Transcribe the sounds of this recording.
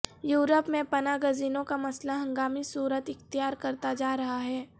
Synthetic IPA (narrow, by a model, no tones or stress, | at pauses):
juːɾəpmẽpɐnaːɡəziːnõkamɐslaɦɐ̃ŋɡaːmisuːɾət̪ɪxt̪ijaːɾkɐɾt̪ad͡ʒaːɾɐɦaɦɛː